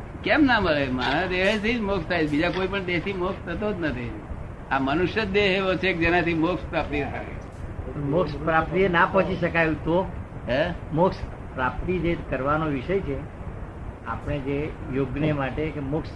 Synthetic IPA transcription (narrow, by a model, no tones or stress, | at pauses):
kɛmnaməɭema̰ɾ̃ad̪eɦet̪ʰid͡ʒmokst̪ʰajbid͡ʒakoipəɳd̪esimokst̪ʰət̪od͡ʒnət̪ʰi | amənuʃjəd̪eɦeʋot͡ʃʰek̚d͡ʒenat̪imokspɾapt̪ijət̪ʰa̰ɦḛ | mokspɾapt̪ijənapɔ̃ɦt͡ʃiʃəkajũt̪o | ɦɛmoks | pɾap̚t̪id͡ʒekəɾʋanoʋiʃəjt͡ʃʰe | a̰pɽ̃ed͡ʒejoɡnemaʈekemʊks